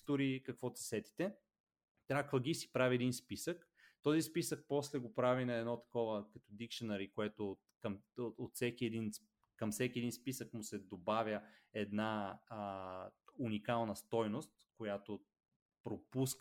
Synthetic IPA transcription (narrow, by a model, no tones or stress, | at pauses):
t̪ʊɾikɐkvɔt̪ə̥sɛt̪i̥t̪ɛ | t̪ɾʲakvəɡʲisi̥pɾavʲiɛd̪inspisək | t̪ɔzispisək̚pɔslɛɡopɾavinɐɛd̪nɔt̪ɐ̥kɔvəkɐt̪od̪ikʃonɐɾikoɛt̪o | kɐmot̪sɛkiɛd̪in | kɐmfsɛkʲiɛd̪inspisəkmʊsɛd̪obavʲjəɛd̪na | unikalˠnɐst̪ɔjnost̪kojat̪o | pɾopusk